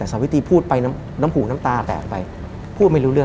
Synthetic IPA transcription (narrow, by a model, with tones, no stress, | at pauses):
ɛː˨˩saː˨˩˦wi˦˥t̪ʰiː˧pʰuː˥˩t̪̚pa˧jna˦˥m | naː˦˥mpʰuː˨˩k̚naː˦˥mt̪aː˧pɛ̰ː˨˩k̚pa˧j | pʰuː˥˩t̪̚ma˥˩jɾuː˦ɾɯ˥˩ə